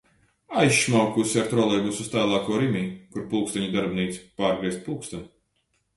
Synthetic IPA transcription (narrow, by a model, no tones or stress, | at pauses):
ajʃmawkusʲaɾt̪ɾɔlˠɛjbusust̪aːlˠaːkɔːɾimʲiːkuɾpulˠkst̪ɛɲʲid̪aɾbniːt̪si̥paːɾɡɾiɛst̪̚puːkst̪ɛn